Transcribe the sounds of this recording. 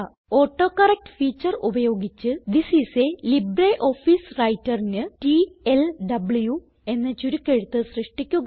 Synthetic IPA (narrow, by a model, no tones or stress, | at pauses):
oːʈːo̞ːkɐrɐk̚ʈɨ̥fiːt͡ɕːɐrubɐjo̞ːɡit͡ɕːɨd̪isiselibreʔo̞ːfiːsrɐjtːɐrinɨʈielɖɐbɭju | e̞nːɐt͡ɕːuɾukʲːeɻut̪ːɨsrɨʂʈikʲːuɣ